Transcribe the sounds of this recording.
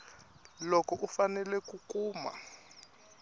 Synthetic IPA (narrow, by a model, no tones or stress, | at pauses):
lɔkɔʔufanɛlɛkukʼuːma̰